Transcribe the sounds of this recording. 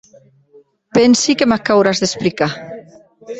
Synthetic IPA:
pɛnsikemakawɾazðesplika

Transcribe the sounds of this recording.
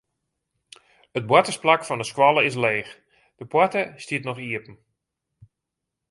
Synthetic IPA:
ət̚bwɔtəsplakfɔndəskwɔlˠəɪs̬leːx | d̥əpwɔtəstiətnɔxiəpn̩

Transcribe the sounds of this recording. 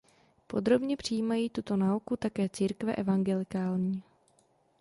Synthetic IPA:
po̞d̪ɾo̞bɲɛpr̝̥ijːmajiːt̪ut̪o̞naukut̪akɛːt͡siːɾkvɛ̰ʔɛvaŋɡɛlɪkaːlɲiː

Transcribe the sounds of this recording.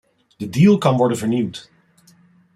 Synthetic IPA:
d̥ədilˠkɑnʋɔɹdənvəɹnimt

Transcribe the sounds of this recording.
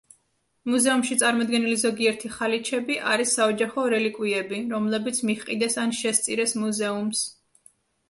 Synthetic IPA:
muzɛumʃit̪sʼaɾmɔd̪̚ɡɛnilizɔɡiɛɾt̪ʰiχalit͡ʃʰɛbiʔaɾisːaɔd͡ʒaχɔɾɛlikʼwiɛbiɾɔmlɛbit̪sʰmiχqʼid̪ɛsanʃɛst̪sʼiɾɛsmuzɛums

